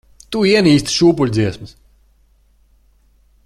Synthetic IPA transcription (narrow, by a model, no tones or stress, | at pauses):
t̪uiɛniːst̪ʃuːpulʲd̪ziɛsmɨs